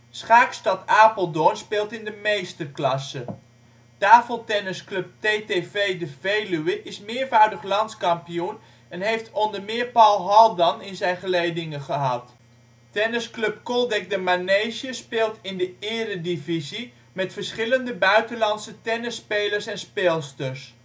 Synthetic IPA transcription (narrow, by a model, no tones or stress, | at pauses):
sχaːkstɑtaːpəlˠdɔnspɪːlˠtɪndəmejstəklɑsə | taːfəlˠtɛnɪsklɵp̚tetevejdəvejlyəʔɪsmɪːɹvaːɹdəχlɑntskɑmpijun | ɛnɦejftʰɔndəɹmɪːɹpɑlˠɦɑlˠdɑnɪnzɛjnχəlejdɪŋəχəɦɑt | tɛnɪsklɵp̚kɔlˠdɛk̚dəmanejʒəspɪːlˠtɪndəɪːrədivizi | mɛtfəɹsχɪləndəbœɥtəlɑnsətɛnɪspejləɹsɛnspeːlˠstəɹs